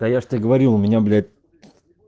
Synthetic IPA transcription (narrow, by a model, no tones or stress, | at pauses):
ajaʂt̪ɨɡəvɐɾʲilˠʊmʲɪnʲablʲt̪